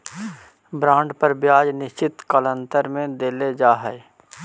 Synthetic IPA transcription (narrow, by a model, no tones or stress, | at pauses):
bɾãːɳɖpəɾbjaːd͡ʒnɪʃt͡ʃɪt̪kələ̃nt̪əɾmẽd̪eːled͡ʒaːɦɛe